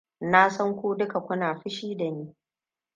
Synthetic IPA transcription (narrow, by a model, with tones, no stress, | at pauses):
na˦sɐ˦ŋkʷuː˦dʊ˦ka˨kʷʊ˦naː˨ɸɪ˦ʃiː˦da˨niː˦